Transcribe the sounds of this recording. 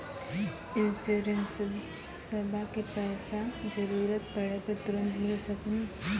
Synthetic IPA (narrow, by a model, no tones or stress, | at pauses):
ɪnsoɾəns | sɐbʱakepɛːsad͡ʒəɾuːɾət̪pɐɽeped̪ʊɾə̃nt̪mɪlsɐkən